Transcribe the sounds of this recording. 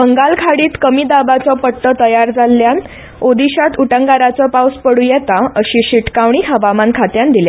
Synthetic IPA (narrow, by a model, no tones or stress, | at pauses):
bəŋɡalkʰaɽiːt̪kəmiːd̪abat͡sɔpəʈːət̪əjaɾd͡zalːjan | od̪iɕat̪uʈəŋɡaɾat͡sɔpawspəɽujɛt̪aəɕiːɕiʈkaʋɳ̃iːɦəʋamankʰat̪jand̪ilja